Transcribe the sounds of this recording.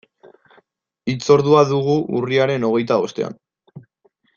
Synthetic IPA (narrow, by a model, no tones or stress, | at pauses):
it͡so̞ɾðuaðuɣ̞uʔuriaɾe̞no̞ɣ̞e̞jt̪ao̞st̪e̞̰a̰n